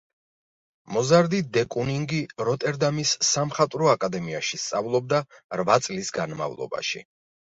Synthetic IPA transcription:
mɔzaɾd̪id̪ɛkʼuniŋɡiɾɔt̪ʼɛɾd̪amisːamχat̪ʼɾɔakʼad̪ɛmiaʃist̪sʼavlˠɔb̚d̪aɾvat̪sʼlisɡanma̰vlˠɔ̰ba̰ʃḭ

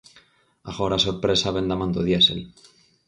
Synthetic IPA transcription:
a̰ɣoɾasoɾpɾesaβend̪amãnd̪oðjesḛl

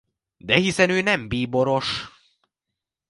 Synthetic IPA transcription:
d̪ɛhisɛnøːnɛmbiːbo̞ɾo̞ʃ

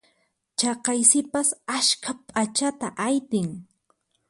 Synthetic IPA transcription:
t͡ʃɑqɑjsɪpasaʃkʰapʼat͡ʃat̪aʔajt̪ɪŋ

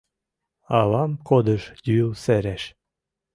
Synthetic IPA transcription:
ɑlɑmkod̪ə̆ʃj̪ylsæɾæʃ

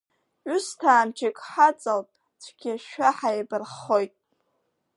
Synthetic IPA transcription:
ʊstʰaːmt͡ʃʰɪkʼħat͡sʼalpʼ | t͡sʷʰɡ̥ʲɪʃᶣaħajbɨrχojtʼ

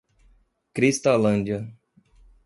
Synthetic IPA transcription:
kɾist̪alɐ̃nd͡ʒiɐ

